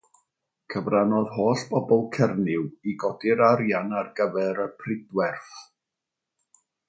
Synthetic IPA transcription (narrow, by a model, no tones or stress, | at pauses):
kʰəvranɔðɦoːɬb̥ɔbɔlˠkʰɛrnɪwiɡɔdɪɾaɾjanarɡəvɛɾəpʰrɪdwɛrθ